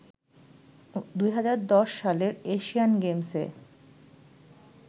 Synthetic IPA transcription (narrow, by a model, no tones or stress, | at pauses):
d̪ujɦad͡ʑaɾd̪ɔʃːaleɾeʃijanɡemsḛ